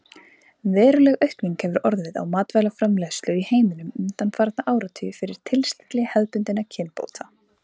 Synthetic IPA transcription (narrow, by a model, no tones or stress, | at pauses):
vɛːɾʏlɛɣœɥhkniŋkhɛvʏɾɔɾðvɪða̰wmaːt̪vɛlafɾamlɛst̪lʏiheːjmɪnʏmʏnt̪anfaːɾat̪naʔaːwɾat̪ʰʏjʏfɪɾɪɾ̥t̪ʰɪlst̪ɛ̥t̪lɛɣhɛðpʏnt̪ɪnːacʰɪnpo̰ːwt̪ʰa